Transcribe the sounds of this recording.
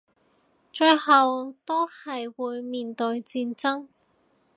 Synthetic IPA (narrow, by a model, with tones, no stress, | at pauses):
t͡ʃɵ˧ɥhɐ˨wt̪o˥whɐ˨jwuː˨˧jmiː˨˩nt̪ɵ˧ɥt͡siː˧nt͡sɐ˥ŋ